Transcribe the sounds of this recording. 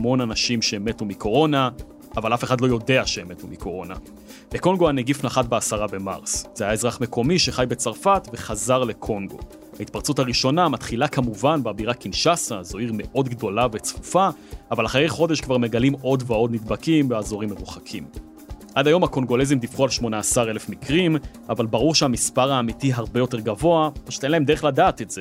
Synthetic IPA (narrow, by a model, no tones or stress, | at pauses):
hamo̞nanaʃimʃeːme̞tumiko̞ʁo̞na | avalafe̞χadlo̞jo̞de̞aʃe̞eme̞tumiko̞ʁo̞na̰ | beko̞ŋɡo̞aneɡifnaχatbeasaʁabe̞ma̰ʁsz̥ehajaezʁaχme̞kʰo̞miʃe̞χajbe̞t͡saʁfatve̞χazaʁle̞kʰo̞ŋɡo̞̰ | hait̚paʁt͡suthaʁiʃo̞namat̪χilakamuvanbabiʁakinʃasazo̞iʁme̞ʔo̞dɡdo̞lave̞t͡sfufaavalaχaʁejχo̞de̞ʃkvaʁme̞ɡalimo̞dveodnidbakimbeazo̞ʁimːeʁuχakʰim | ʔadajo̞mhako̞ŋɡo̞le̞zimd̪ifχualʃmo̞naːsaʁe̞le̞fmikʁim | avalbaʁuʁʃeamispaʁaːmitiɦaʁbejo̞te̞ʁɡavo̞apaʃu̥t̪enlahemde̞eχladaːt̪etz̥e̞